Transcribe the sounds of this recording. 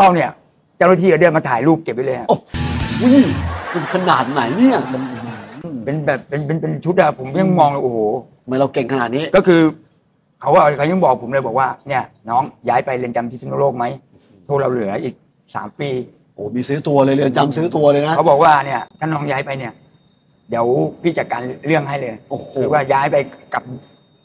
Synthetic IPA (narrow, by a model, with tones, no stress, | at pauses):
la˧˩wni˥˩ɐ | t͡ɕa˥˩wnaː˥˩iː˥˨aː˨˩dɯ˥˩ə˩maː˧t̪ʰaː˨˩˦jluː˥˩p̚ke˨˩p̚ːa˧˩lɤː˧jha˦˩ʔo˧˩u˦˥˩mu˧nkʰa˧naː˨˩t̪̚na˩˦jni˥˩ɐ˩ | pe˧nbɛː˨˩p̚ːe˧npe˧npe˧nt͡ɕʰu˦˥a˦˥˩pʰo˩˦mɲa˥˩ŋmɔː˧ŋlaː˧˩ʔoː˨˩hoː˨˩˧ma˧jɾa˧wke˨˩ŋkʰa˧naː˨˩t̪̚niː˦˥kɔː˥˩kʰɯː˧ | kʰa˦˥waː˧˩ka˧˥˦ja˥˩ŋbɔː˨˩k̚pʰo˩˦mlɤː˧˩bɔː˨˩k̚waː˥˩ni˥˩ɐ | nɔː˦˥ŋjaː˦˥jpa˧jlɯ˧nt͡ɕa˧mt̪ʰiː˦˥˩sʰu˧˥˨loː˥˩k̚ma˦˥j | t̪ʰoː˥˩ɾa˧wlɯ˩˦ɐʔiː˨˩k̚ | sa̰ː˩˦mpiː˧ | ʔoː˨˩miː˧sɯː˦˥t̪u˧ɐlɤː˧jlɯ˧nt͡ɕa˧msɯː˦˥t̪u˧ɐlɤː˧jna˦˥ka˦˥wbɔː˨˩k̚waː˥˩ni˥˩ɐt̪ʰaː˥˩nɔː˦˥ŋjaː˦˥jpa˧jni˥˩ɐ | di˨˩˦əwpʰiː˥˩t͡ɕa˨t̪̚kaː˧nlɯ˥˩əŋhɦa˥˩jlɤː˧joː˧˩ɯː˨˦waː˥˩jaː˦˥jpa˧jka˨˩p̚